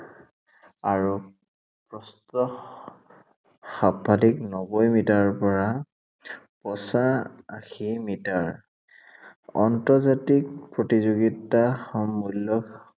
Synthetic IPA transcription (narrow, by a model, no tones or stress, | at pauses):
aɹu | pɹɔstɔ | xabʱaliknɔbɔjmitaɹpɔɹa | pɔsaa̰ximitaɹ | ɔ̰ntɔzatik̚pɹotizoɡitaxɔmːulːɔk